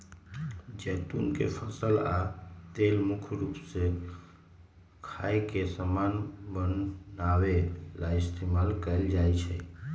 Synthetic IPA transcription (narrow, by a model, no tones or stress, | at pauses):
d͡ʒɛt̪ṵnkḛpʰəsəlat̪elmukʰɾupse | kʰaekesəmanbənːawelaist̪ʰemalkəɪld͡ʒajt͡ʃʰɛ̰